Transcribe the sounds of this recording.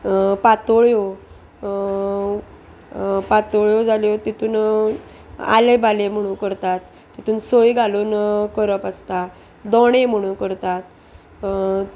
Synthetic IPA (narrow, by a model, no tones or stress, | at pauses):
pat̪oɭjo | pat̪oɭjod͡zʱaljot̪it̪ʰuːn | a̰lebalem̤əɽ̃unkəɾt̪at̪ːit̪ʰuːnsojɡaluːnkəɾəpast̪a | d̪ɔɽ̃em̤əɽ̃ũːnkəɾt̪at̪